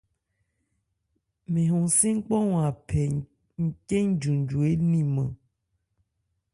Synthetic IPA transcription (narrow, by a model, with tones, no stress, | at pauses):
mẽ˨ɦũ˨sĩ˦ŋ̩˦k͡pɔ˦ŋũ˨a˨pʰɛ˨ | ŋ̩˨ke˦ŋ̩˦d͡ʒu˨n˨d͡ʒu˨e˦nĩ˦mə̰̃˨